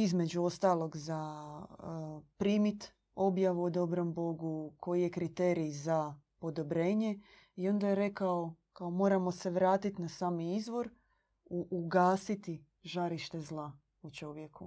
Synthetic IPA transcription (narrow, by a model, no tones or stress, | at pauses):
izme̞d͡ʒuo̞st̪aːlˠo̞ɡza | pɾiːmit̪ | o̞bjaʋuod̪o̞bɾo̞mbo̞ɡukʰo̞jijekɾit̪e̞ːɾiza | po̞d̪o̞bɾe̞ːɲe̞ | io̞nd̪ajeɾe̞kao̞kaomo̞ːɾamo̞se̞ʋɾaːt̪it̪nasaːmiizʋo̞ɾ | uʔːɡaːsit̪i | ʒaɾiʃt̪e̞zlˠa | ut͡ʃo̞ʋje̞kʰu